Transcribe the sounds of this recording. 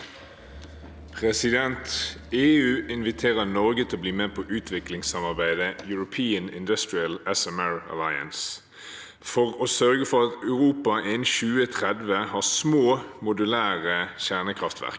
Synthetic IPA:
pʰʁɛsɪd̪ɛnt̪ | eːʉːʔɪnʋɪt̪ʰeːʁənɔʁɡət̪ʰɪlɔbliːmeːpʰɔʔʉːt̪ʰʋɪklɪŋsɑmɑʁbæɪd̪əjʉɹʊpʰiːənɪ̰nd̪ʉst̪ɹɪəlɛsɛmɛɹə̰lɑɪə̰ns | fɔʁoːsœʁɡəfɔʁɑt̪ɑʉʁuːpɑʔençʉːət̪ʰʁɛd̪ʋəhɑːʁsmoːmʊd̪ʉlæːʁəçæʁnəkʰʁɑft̪ʋæ̰ʁk

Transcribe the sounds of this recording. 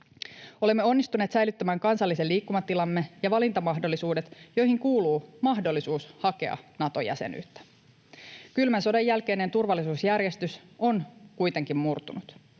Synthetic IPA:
o̞lemːe̞o̞nːist̪uneːt̪sæjlyt̪ːæmæːŋkɑnsɑlːiseliːkːumɑt̪ːilɑmːejɑʋɑlint̪ɑmɑɦdo̞lːisuːde̞t̪jo̞jɦiŋkuːluːmɑɦdolːisuːshɑke̞ɑ̰nɑt̪ojæ̰sḛny̰ːt̪ːæ̥ | kylmænso̞dejːælke̞jne̞nt̪urʋɑlːisuːsjærje̞st̪yso̞nkujt̪e̞ŋkimmurt̪unut̪

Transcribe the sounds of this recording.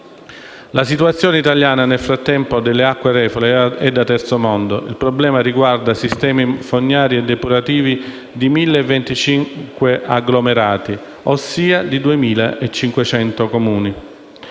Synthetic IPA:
lasit̪uwat̪sːjoːneit̪aljaːnanelfɾat̪ːɛmpod̪elːeakːwerɛːfoleɛd̪ːat̪ɛrt̪somɔnd̪oʔilpɾoblɛːmariɡward̪asist̪ɛːmifonːaːɾiɛd̪ːepuɾat̪iːvi | d̪imilːeɛvːent̪it͡ʃiŋkweʔaɡlomeɾaːt̪i | osːiːad̪id̪uemiːlaʔet͡ʃːiŋkwet͡ʃɛnt̪okomuːni

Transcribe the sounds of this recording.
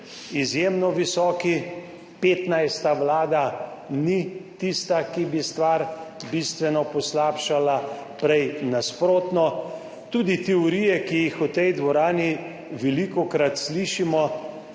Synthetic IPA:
izjeːmnɔʋisɔːki | peːt̪najst̪aʋlaːd̪anit̪ist̪akibist̪ʋaːɾbist̪ʋɛnɔpɔslaːpʃalapɾɛjnaspɾoːt̪nɔ | t̪uːd̪it̪ɛɔɾiːjɛkijixut̪ɛjd̪ʋɔɾaːni | ʋɛlikɔkɾat̪sliːʃimɔ

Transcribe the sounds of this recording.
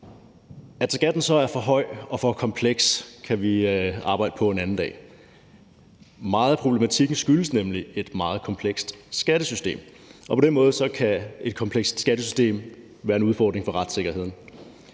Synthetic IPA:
æd̥sɡ̥æd̥n̩sɒ̽æɐfɒ̽ɦɒ̽ɪ̰ɒ̽fɒ̽kʰɒ̽mpʰleɡ̥skʰæʋiɑ̈ːb̥ɑ̈ɪ̰d̥əpʰɒ̽e̝nænn̩d̥ɛ̰ː | mɑ̈ːð̞ˠpʰʁo̝b̥lemæt͡sʰiɡ̥n̩sɡ̥yləsnemlie̝d̥mɑ̈ːð̞̩ˠkʰɒ̽mpʰleɡ̥sd̥sɡ̥æɾ̥əsysd̥e̝̰ːm | ʔɒpʰɒ̽d̥enmɔ̽ːð̞̩ˠsɒ̽kʰæe̝d̥kʰɒ̽mpʰleɡ̥sd̥sɡ̥æd̥əsysd̥e̝̰ːm | ʋæːɐe̝nuðˠfɒ̰ːd̥ʁeŋfɒ̽ʁɑd̥se̝ɡ̥ɐhe̝ð̰ˠn̩

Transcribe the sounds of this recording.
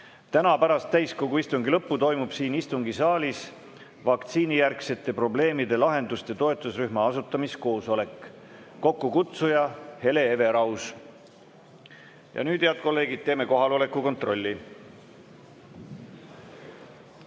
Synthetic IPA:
t̪ænɑpæɾɑst̪ːæjskoɡuist̪uŋɡilɤpːut̪o̞jmub̥siːnist̪uŋɡ̥isɑːlʲis | vɑkt̪siːnijærkse̞t̪ːˑe̞pro̞ble̞ːmid̪e̞lɑɦe̞nd̪ust̪et̪o̞e̞t̪ˑːusryhmɑɑsut̪ˑːɑmisko̞ːso̞le̞kː | o̞kːukut̪sujɑhe̞le̞eve̞ɾɑws | jɑ̰nyːd̪eɑd̪̥̚ko̞lːe̞ːɡid̥̪̚t̪eːme̞ko̞ɦɑlo̞le̞kːˑuko̞nt̪ro̞lʲːi

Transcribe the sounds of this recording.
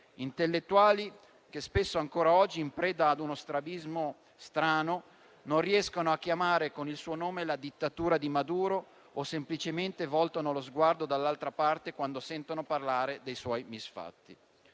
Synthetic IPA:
int̪elːet̪ːuaːli | k̟espesːoaŋkoːɾaɔd͡ʒːiːmpɾɛːd̪aːd̪unost̪ɾabizmo | st̪ɾaːno | nonriɛskonoakːjamaːɾekonilsuːonoːmelad̪it̪ːat̪uːɾad̪imad̪uːɾoː | semplit͡ʃement̪evɔlt̪onolozɡward̪od̪alːalt̪ɾapart̪ekwand̪osɛnt̪onoparlaːɾed̪ejswɔjmisfa̰t̪ːi

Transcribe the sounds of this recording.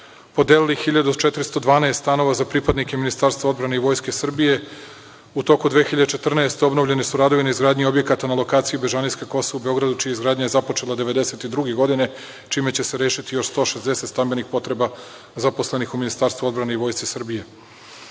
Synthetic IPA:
po̞d̪elilixiʎad̪ut͡ʃet̪ɾist̪o̞d̪ʋaːneːst̪t̪ano̞ʋazapɾipad̪nike̞minist̪aːɾst̪vao̞d̪bɾane̞iʋo̞ːjske̞sr̩bije̞ | ut̪o̞kud̪ʋeːxiʎad̪et͡ʃe̞t̪r̩naest̪eo̞bno̞vʎe̞nesuɾad̪o̞ʋineizɡɾaːd̪ɲio̞bjekat̪analˠo̞kaːt̪sijubeʒaniskeko̞soaubeo̞ɡɾad̪ut͡ʃijaizɡɾaːd̪ɲaje̞zapo̞t͡ʃe̞lˠad̪eʋe̞d̪e̞se̞t̪id̪ɾuɡe̞ɡo̞d̪ine̞ | t͡ʃiːmet͡ɕe̞seɾeːʃit̪ijo̞ʃst̪oʃezd̪e̞set̪st̪ambenixpo̞t̪ɾe̞ba | zaposle̞nixuminist̪aːɾst̪vuo̞d̪bɾane̞iʋo̞jst̪isr̩bije̞

